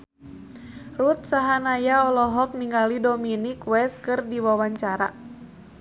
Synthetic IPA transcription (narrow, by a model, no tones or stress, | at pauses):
rut̪̚saɦanajaɔlɔɦɔk̚niŋɡalidominikwɛskɨrdiwawaɲt͡ʃaɾa̰